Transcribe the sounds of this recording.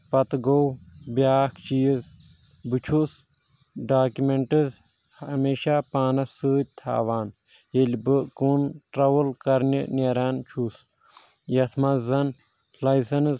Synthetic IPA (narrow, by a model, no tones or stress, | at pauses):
pɐt̪ɡowbjaːkʰt͡ʃijz | bɨt͡ʃʰus | ɖaːkumeɳʈɨz | ɐmeːʃaːpaːnɐsɨːd̪̚ʲt̪ʰa̰ːʋaːn | jelʲbɨkunʈɾɐʋɨlkɐɾnʲḭneɾaːnt͡ʃʰus | jɐt̪ʰmɐzɐn | lɐjsɐnz